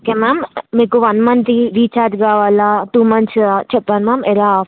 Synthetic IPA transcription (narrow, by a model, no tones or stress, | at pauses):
okeːmaːmːiːkuʋɐnmɐnt̪iʋiːt͡ʃaːd̪ɡaːʋaːlaːʈuːmɐnt͡ʃt͡ʃɛpːaːnmaːmɛlaː